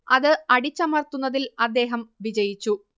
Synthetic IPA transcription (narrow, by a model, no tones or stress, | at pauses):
ɐðɨɐɽit͡ɕːɐmɐrt̪ːunːɐðilɐd̪ːe̞ːɦɐmʋid͡ʑɐjit͡ɕːu